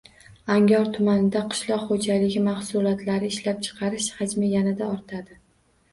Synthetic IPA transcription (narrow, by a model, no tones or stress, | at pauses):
aŋʲɒɾt̪ʰʊmanɪd̪aqʰɨ̥ʃlˠɒqχod͡ʒalɪɡʲɪmaχsʊlˠɒt̪ʰlaɾɪːʃlap̚t͡ʃʰɨ̥qʰɑɾɪʃhad͡ʒmajanɪd̪aɒɾt̪ʰad̪ɪ